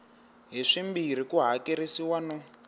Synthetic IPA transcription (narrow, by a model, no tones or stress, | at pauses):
ɦiʂimbiɾ̤ikuɦakeɾisiwanɔ